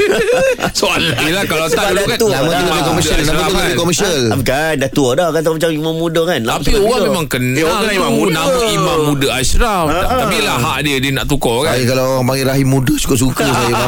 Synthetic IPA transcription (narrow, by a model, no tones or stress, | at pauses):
soalaʔilakalast̪aadkat̪unamãt̪uləbikɔməsiəlnaat̪uləbikɔməsiəlapkandat̪uɔdɔhkat̪̬amat͡ʃamimãmːũdəkanlaapiuamemãŋkənamaunaãimammːudəaʃɾafapilaɦaʔdiədiəna̰ʔt̪̬ukɔkaajəkalaoɾaŋpaŋɡiʔɾaɦimːũdəsu̥kʊʔs̬ukəsajaa